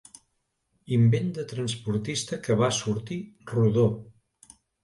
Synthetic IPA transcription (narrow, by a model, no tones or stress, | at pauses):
imbend̪ət̪ɾənspuɾt̪ist̪əkəβasuɾt̪iruðo